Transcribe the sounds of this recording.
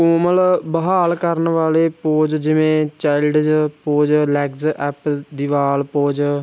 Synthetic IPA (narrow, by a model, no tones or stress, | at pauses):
koːməlbəɦaːlkəɾnʋaːleːpoːd͡ʒd͡ʒɪʋẽːt͡ʃaːɪlɖd͡ʒpoːd͡ʒlɛːɡzʔɛːpd̪iːʋaːlpoːd͡ʒ